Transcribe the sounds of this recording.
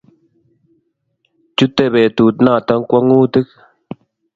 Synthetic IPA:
t͡ʃu˦t̪e˨βe˨t̪u˨t̪na˦˨t̪a˦ŋkʷa˦ŋuː˦t̪ɨ˦k̚

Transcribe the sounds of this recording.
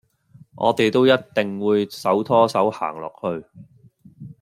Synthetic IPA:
ʔɔ̰ː˨˧t̪e˨jt̪o˥wjɐ˥t̚t̪ɪ˨˩ŋwuː˨˧jsɐ˨˥wt̪ʰɔː˥sɐ˨˥wha̰ː˨˩ŋlɔ̰ː˨k̚hɵ˧ɥ

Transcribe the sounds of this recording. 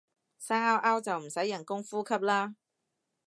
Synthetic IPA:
saː˥aː˥wʔaː˥wt͡sɐ˨wm̩˨˩sɐ˨˥jːɐ˨˩nkʊ˥ŋfuː˥kʰɐ˥p̚laː˥

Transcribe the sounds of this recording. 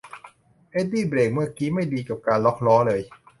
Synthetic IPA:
ʔe˦˥diː˥˩bɾeː˨˩k̚mɯ˥˩ɐkiː˦˥ma˥˩jdiː˧ka˨˩p̚kaː˧nlɔ˦˥k̚lɔː˦˥lɤː˧j

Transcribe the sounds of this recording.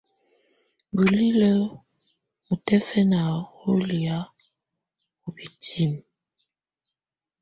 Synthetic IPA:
bu˨li˦lə˦ | mu˨tɛ˦fɛ˦na˨ɣo˦li˨a˦ | o˨bi˨tʰi˦˨m

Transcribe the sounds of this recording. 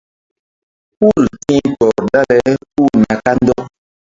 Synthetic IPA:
pu˦˨ltĩ˦pɔ˨ɾda˦lɛ˦pu˦˨na˨ka˦n˦dɔ˦

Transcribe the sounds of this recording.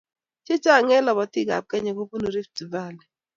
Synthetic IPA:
t͡ʃe˦t͡ʃa˦˨ŋɛ˦lɔ˨bɔ˨tɪ˦˨ɡa̰˨p̚kɛ˦ɲɔ˨ko˦ku˦no˨ɾi˦fti˨ba˦˨lɛ˨

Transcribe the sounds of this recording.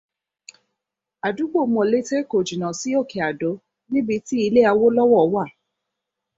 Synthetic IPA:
a˨du˨˦ɡ͡bo˦˨˦mɔ̃˨le˦te˦ko˨d͡ʒi˨nã˨si˨˦o˦˨ke˨a˨do˨˦ | nĩ˦bi˧ti˦i˧le˦a˧wo˦lɔ˦wɔ˦˨˦wa˦˨

